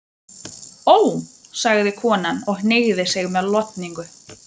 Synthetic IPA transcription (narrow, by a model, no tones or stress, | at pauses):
oːwsaɣðɪkʰɔːnanɔɣhneːɣðɪsɪɣmɛðlɔt̪niŋkʏ